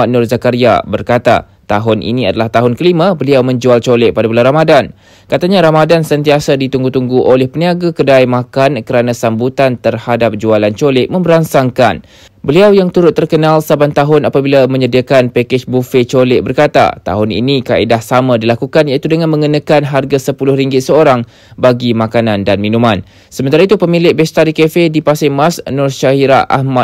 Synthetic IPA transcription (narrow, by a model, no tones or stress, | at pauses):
anʊrzakaɾia̰bərkat̪a̰ | t̪aɦʊnʔḭnĩadalaht̪aɦʊnkəlimãbəliawmə̃ɲd͡ʒualt͡ʃolɛʔ̚padabəlaɾamadan | kat̪aɲaɾamadansənt̪iasadit̪uŋɡut̪uŋɡuʔolɛhpəniaɡakədajmãkankəɾanãsambut̪ant̪ərhadap̚d͡ʒualant͡ʃolɪʔ̚mə̃mbəɾansaŋka̰n | bəliawjaŋt̪uɾʊt̪ːərkənalsabant̪aɦʊnapabilamə̃ɲədiakanpɛkɪt͡ʃbufet͡ʃolɪʔ̚bərkat̪a̰t̪a̰ɦʊnḭnikaʔidahsamãdilakukanjait̪udəŋãnmə̃ŋənãkanɦarɡasəpulʊhɾiŋɡɪt̪̚səoɾaŋ | baɡimãkanãndanmĩnũmãn | səmənt̪aɾait̪upəmĩlɪʔbɛst̪aɾikefedipasɪmasnʊrʃaɦiɾaʔa̰hma